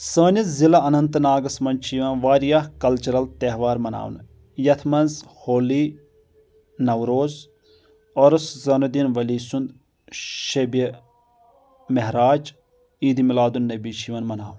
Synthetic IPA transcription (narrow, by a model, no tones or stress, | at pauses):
səːnʲizilɐɐnɐnt̪ɨnaːɡɐsmɐnt͡ʃʰiːʋɐnʋaːɾijahkɐlt͡ʃɐɾɐlt̪eɦʋaːɾmɐna̰ːʋn | jɐt̪ʰmɐnz | hoːliː | nɐwɾoːz | ɔɾɐszɐnud̪inʋɐliːsund̪ | ʃɐbe | meɦɾaːd͡ʒ | iːd̪imilaːd̪unːɐbiːt͡ʃʰiːʋɐnmɐnaːwn